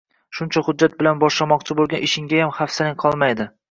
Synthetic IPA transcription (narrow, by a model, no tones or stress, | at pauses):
ʃʊnt͡ʃʰahʊd͡ʒːat̪̚bɪlanbɒʃlamɒqt͡ʃʰɪbolˠɡʲanɪʃɪŋɡʲajamhafsɪlɪŋqʰɒlˠmajd̪ɪ